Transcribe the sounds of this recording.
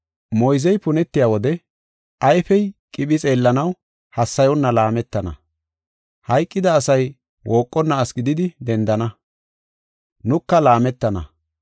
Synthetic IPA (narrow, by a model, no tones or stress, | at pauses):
mɔjzɛjpʊnɛt̪ːɪjaːwɔd̪ɛ | ɐjfɛjkʼɪɓɪt͡sʼe̞ːlːɐnɐw | hɐsːɐjɔnːɐlaːmɛt̪ːɐnɐ̰ | hɐjkʼːɪd̪ɐːsɐj | woːkʼːɔnːɐːsɡɪd̪ɪd̪ɪd̪ɛnd̪ɐnɐ | nʊkːɐlaːmɛt̪ːɐnɐ̰